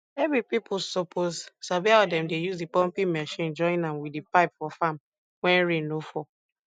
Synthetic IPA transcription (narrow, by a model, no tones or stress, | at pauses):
ɛvɹipipʰsɔpʰozsabiɔdɛ̃mdejuzdipɔ̃mpĩmɛʃĩnd͡ʒɔ̃ĩnãmwidipaɪpfɔfãm | wɛ̃nɹẽnofɔ